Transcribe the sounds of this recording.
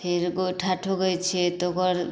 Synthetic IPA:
pʰeɾɡoʈʰaʈʰoɡɔjt͡ʃʰet̪oɡɔɾ

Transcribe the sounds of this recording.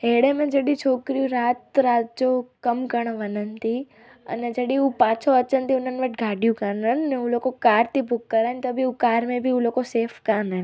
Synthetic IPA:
ɦeɽemẽd͡ʒeɽĩt͡ʃʰoːkɾiũɾaːt̪ɾaːt̪̚d͡ʒokəmkəɳ̃ʋənənt̪i | ə̰ned͡ʒeɗĩũpãːt͡ʃʰoət͡ʃənt̪ʰiʊnənʋəʈɡʱaːɖjũkaːnənəneũloːkokaːɾt̪ʰibʊkːəɾaːnt̪əbʱiũkaːɾmẽbʱiũloːkoseːfʰkaːnən

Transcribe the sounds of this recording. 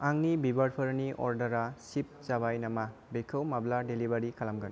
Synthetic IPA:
aŋnibibɐɾpʰɐɾniʔɔ̰ɾdɐɾasip̚t͡ʃaβajnɐmabekʰɐwmabladelibɐɾikʰalamɡɐn

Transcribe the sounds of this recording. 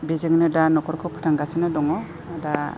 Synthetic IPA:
bezɯŋnɯdanɔkʰɔɾkʰɯpʰɯ̥tʰaŋɡasɯnɯdɔŋɔ | ada

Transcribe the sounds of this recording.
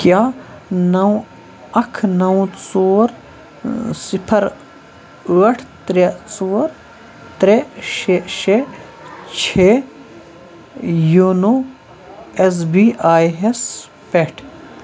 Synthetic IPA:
kjaː | nɐw̃ | ɐkʰnɐũt͡soːɾ | sipʰɐɾ | ʋɐʈʰt̪ɾet͡soːɾ | t̪ɾeʃeʃe | t͡ʃʰe | juno | es̬biːaːjɦes | peʈʰ

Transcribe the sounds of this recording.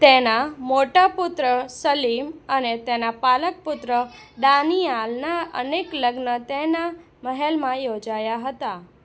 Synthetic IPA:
t̪enamoʈapʊt̪ɾəsəlimənet̪enapalək̚pʊt̪ɾəɖ̪anialnaʔə̰nekləɡnət̪ena | məɦelmãjod͡ʒajaɦət̪a

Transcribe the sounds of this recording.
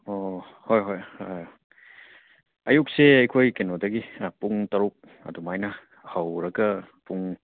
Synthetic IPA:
o | hojɦoj | ɐjuk̚seɐjkʰojkenodɐɡipuŋtɐɾuk̚ | ɐ̰dumajnɐ | hɐwɾɐɡɐpuŋ

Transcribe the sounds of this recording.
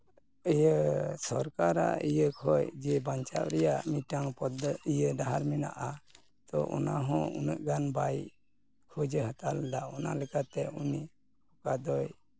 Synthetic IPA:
əjəsɔɾkaɾa̰ijəkʰɔjd͡ʒɛbaɲt͡ʃa̰p̚ɾɛjamiʈaŋpɔd̪ijəɖaɦaɾmina̰ʔa | t̪ɔʔɔ̰naɦɔ̃ṵnəʔɡanbaj | kʰud͡ʒəɦət̪ald̪aɔna̰lɛkat̪ɛuni | hɔkad̪ɔj

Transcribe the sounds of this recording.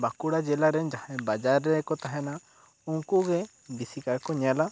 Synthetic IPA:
bakuɽad͡ʒɛlaɾɛnd͡ʒahɛ̃bad͡ʒaɾːɛkɔt̪aɦɛna | uŋkuɡɛ | bisikaɾkɔɲala

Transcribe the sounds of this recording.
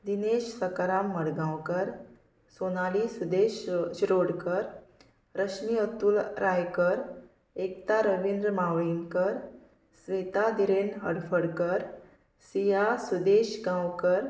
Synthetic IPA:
d̪ineɕsəkɾamːəɽɡãwkəɾ | sonalisud̪eɕɕɾoɽkəɾ | ɾəɕniət̪uːlɾʔajkəɾ | ekt̪aɾəʋind̪ɾmaʋinkəɾ | sʋet̪ad̪iɾenɦəɽfəɽkəɾ | sijasud̪eɕɡãwkəɾ

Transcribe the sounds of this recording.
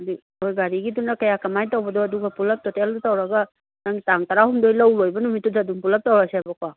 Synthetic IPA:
di | ojɡaɾiɡidunakɐjakɐmajtawbɐdɔɐduɡɐpulɐp̚tɔteldutawɾaɡɐ | naŋɡitaŋtaɾahumdojlawlojbɐnumitːudaːduŋpulɐp̚tawɾaseabakwa

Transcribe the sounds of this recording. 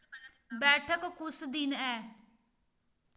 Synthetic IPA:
bɛːʈʰəkːʊsd̪ɪnɛː

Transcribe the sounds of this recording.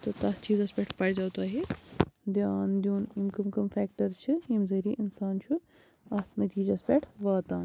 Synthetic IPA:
t̪ɐt̪ɐt͡ʃiːzɐspʲɛʈʰpɐjd͡ʒaːwt̪aːɦid̪jaːnd̪juːnimkɐmkɐmfɛːk̚ʈɐɾt͡ʃʰɨimzɐɾiːʔɪnsaːnt͡ʃʰu | ɐmɐt̪iːd͡ʒɐspɛʈʰʋaːt̪aːn

